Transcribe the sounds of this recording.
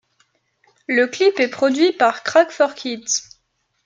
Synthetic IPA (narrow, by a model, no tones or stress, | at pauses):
ləklipɛpχɔd̪ɥipaʁkχakfɔʁkʰʲit̪